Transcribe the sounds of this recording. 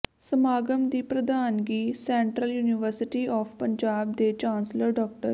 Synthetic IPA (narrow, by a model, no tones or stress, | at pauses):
səmaːɡəmd̪iːpɾəd̪aːnɡiːsɛ̃ːɳʈɾəljuːnɪʋəɾsɪʈiːɔːfʰpəɲd͡ʒaːb̚d̪eːt͡ʃãːnsləɾɖɔːk̚ʈə̰ɾ